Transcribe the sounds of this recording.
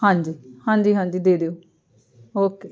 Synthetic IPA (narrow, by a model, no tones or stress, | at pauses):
hãːd͡ʒiːhãːɲd͡ʒiːɦãːɲd͡ʒiːd̪eːd̪eːoː | oːke